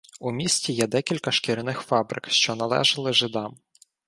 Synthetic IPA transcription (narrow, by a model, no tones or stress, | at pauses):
umʲisʲtʲijɛd̪ɛkʲilʲkɐʃkɪɾʲɪnɪxfɑbɾɪ̰kʃt͡ʃɔnɐlˠɛ̰ʒɐlˠɪʒɪd̪ɑm